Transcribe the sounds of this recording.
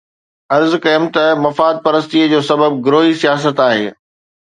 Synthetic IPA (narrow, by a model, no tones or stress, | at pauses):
ɐɾzkɐmt̪ɐmɐfaːd̪̚pɐɾəst̪iəd͡ʑoːsɐbəb̚ɡɾoːɦisijaːs̬ət̪aːɦeː